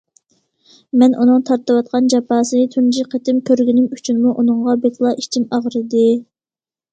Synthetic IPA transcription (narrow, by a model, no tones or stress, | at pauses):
mɛnʔunɨŋt̪ʰɑɾt̪ɨwɑt̪̚qʰɑnd͡ʒɑpɑːsɨnɨt̪ʰund͡ʒiqʰət̪ɪmkʲʰøɾɡʲinɪmyt͡ʃʰynmuʔunɨŋʁɑbet̪ʰlˠɑʔit͡ʃʰimɑʁɾɨd̪ɪ